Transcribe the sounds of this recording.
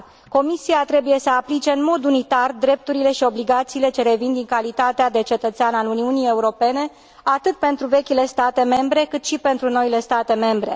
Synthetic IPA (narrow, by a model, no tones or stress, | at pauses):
ko̞misiat̪ɾe̞buje̞səaplit͡ʃe̞ɨnmo̞d̪unit̪ard̪ɾe̞p̚t̪uɾile̞ʃio̞bliɡat̪siːle̞t͡ʃe̞ɾe̞vind̪iŋkalit̪at̪ead̪e̞t͡ʃe̞t̪ət̪seanaluniunije̞uɾo̞pe̞ne̞ | at̪ɨt̪̚pe̞nt̪ɾuve̞kʲile̞st̪at̪e̞me̞mbɾe̞kɨt̪ʃipe̞nt̪ɾuno̞ile̞st̪at̪e̞me̞mbɾe̞̰